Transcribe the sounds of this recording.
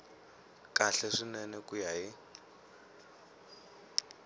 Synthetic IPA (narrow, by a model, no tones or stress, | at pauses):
kʼaɬɛʂinɛnɛkʼujaɦi